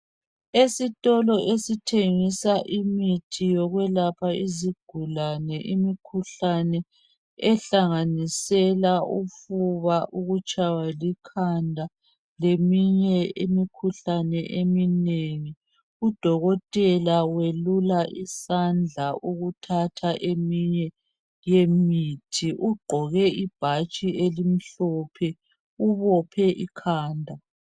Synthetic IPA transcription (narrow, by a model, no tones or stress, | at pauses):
esitʼɔlɔʔesitʰeŋisaʔimitʰijɔɣwɛlapʰaiziɡ̥ʱulanɛʔimikʰuɬanɛ | ɛɬaŋanisɛlaʔufuβaʔuɣut͡ʃʼawalikʰandʱa | lemiɲɛimikʰuɬanɛʔemineŋi | ud̥ʱɔɣɔtʼɛlawelulaʔisand͡ɮʱaʔuɣutʰatʰaʔemiɲɛ | jemiːtʰiʔuɡ͡ǃʱɔɣɛib̥ʱat͡ʃʼielim̩ɬɔpʰɛ | uβɔpʰɛʔikʰaːndʱa